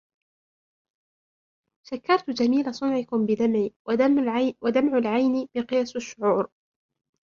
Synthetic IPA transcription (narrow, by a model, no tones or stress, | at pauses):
ʃakːɑɾˤt̪d͡ʒamiːlasˤʊnʕɪkʊmbɪd̪amʕiː | wad̪amʕalʕajnbɪqɨjaːsaʃːʊʕuːɾ